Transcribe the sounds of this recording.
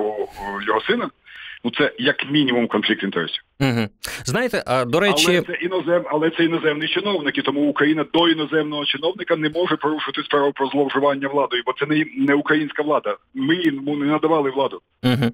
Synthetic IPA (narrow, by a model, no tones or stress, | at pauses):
ɔjɔɦɔsɪnɐnut̪sɛjɐkmʲinʲimumkɔnflʲik̚t̪ʋʲint̪ɛɾɛ̰sʲiɦ̩znɑjet̪ɛʔad̪ɔɾɛlt͡ʃ̪ˠisɛinɔzɛmɐlˠɛt̪sɛinɔzɛmnijt͡ʃɪnɔwnɪkit̪ɔmuʊkɾɐjinɐd̪ɔinɔzɛmnɔɦɔt͡ʃɪnɔwnɪkɐnɛmɔʒɛpɔɾuʃʊɐt̪ɪsʲpɾɑʋʊpɾɔzlˠɔwʐʊʋɑnʲːɐʋlˠɑd̪ɔjʊbɔt̪sɛnɛnɛʊkɾɐjinʲsʲkɐʋlˠɑd̪ɐmɪjimunɛnɐd̪ɐʋɑlˠɪʋlˠɑd̪ʊ | ɦ̩